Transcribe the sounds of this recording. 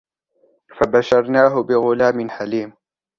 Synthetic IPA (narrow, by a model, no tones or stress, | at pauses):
fabaʃɑɾˤnaːɦʊbɪɣʊlaːmɪnħaliːm